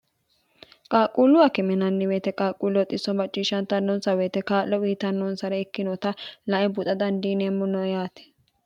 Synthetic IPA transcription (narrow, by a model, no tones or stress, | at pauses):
kʼaːkʼuːlːʊɐkɪmɛnɐnːɪweːt̪ɛkʼaːkʼːulɐt̪ʼɪsːɔmɐt͡ʃʼːiːʃːɐnt̪ɐnːɔnsɐweːt̪ɛkaːʔɔwiːt̪ɐnːɔnsɐɾɛɪkːɪnɔt̪ɐnɐʔɛbʊt̪ʼɐd̪ɐnd̪iːneːmːɔnɔjaːt̪ɛ̥